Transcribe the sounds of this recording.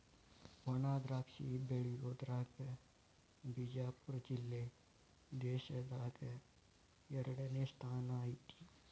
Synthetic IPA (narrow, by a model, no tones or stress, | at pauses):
ʋɐnaːd̪ɾaːkʃibeːɭioːd̪ɾaːke | bid͡ʒaːpʊɾd͡ʒɪlːe | d̪eːʃəd̪aːke | jɐɾɖenest̪ʰaːnaːiʈi̥ː